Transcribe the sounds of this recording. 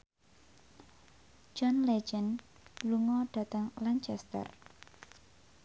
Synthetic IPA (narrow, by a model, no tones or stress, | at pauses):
d͡ʒɔnled͡ʒən | luŋɔɖ̥a̤t̪əŋlant͡ʃɛst̪ə̰r